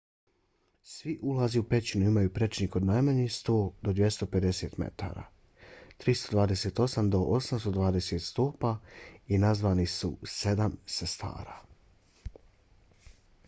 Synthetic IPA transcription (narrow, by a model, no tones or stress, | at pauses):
sʋiʔulˠaziupe̞t͡ɕinuimajupɾe̞t͡ʃniko̞d̪najmaɲixst̪o̞ːd̪o̞d̪je̞st̪o̞pe̞d̪e̞se̞ːt̪mḛt̪a̰ːɾa̰ | t̪ɾist̪o̞d̪vʋaːd̪e̞seːt̪o̞samd̪o̞ʔosamst̪o̞d̪ʋaːd̪eset̪st̪oːpainazʋaːnisṵse̞d̪amsast̪a̰ːɾa̰